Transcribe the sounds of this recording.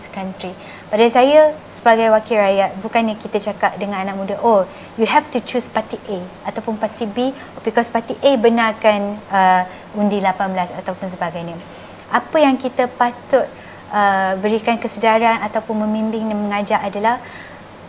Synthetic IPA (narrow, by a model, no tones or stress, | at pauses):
skant̪ɾi | padajsajasəbaɡajwakiɾajat̪̚bukanɲakit̪ət͡ʃakap̚dəŋãnanãk̚mũdaʔo | juɦɛftut͡ʃuspat̪iʔeat̪awpʊnpat̪ibi | bikɔspat̪iʔebənakanə | undilapanbəlasat̪awpʊns̬əbaɡajɲə̃ | ʔapəjaŋkit̪əpat̪ʊt̪̚ | əbəɾikankəsədaɾanat̪awpʊnmə̃mimbɪŋɲaməŋad͡ʒaʔadalah